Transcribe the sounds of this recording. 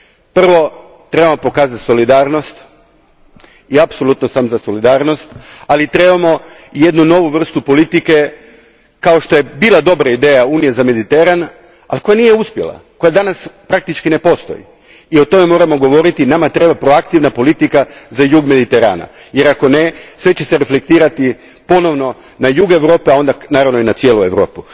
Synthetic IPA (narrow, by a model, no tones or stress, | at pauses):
pr̩ʋo̞ | t̪ɾe̞bamo̞po̞kaːzat̪so̞lid̪aːɾno̞st̪ | iapso̞lˠut̪nosaːmzaso̞lid̪aːɾno̞st̪alit̪ɾe̞bamo̞ | je̞d̪nuno̞ʋuʋr̩st̪upo̞lit̪ike̞ | kaoʃt̪o̞je̞biːlˠad̪o̞bɾaid̪ejauːnijazame̞d̪it̪e̞ɾan | a̰lko̞janije̞uspjelˠa̰ko̞jad̪anaspɾak̚t̪it͡ʃkine̞po̞st̪o̞̰jḭ | io̞t̪o̞me̞mo̞ːɾamo̞ɡo̞ʋo̞ɾit̪inamat̪ɾe̞bapɾo̞akt̪iʋnapo̞lit̪ikazajuːɡme̞d̪it̪e̞ɾa̰ːna̰ | je̞ɾako̞nesʋe̞t͡ɕe̞se̞ɾe̞flek̚t̪iːɾat̪i | po̞no̞ʋno̞ | najuːɡe̞ʋɾo̞ːpeao̞nd̪anaːɾaʋno̞inat̪sje̞ːlue̞ʋɾo̞̰ːpu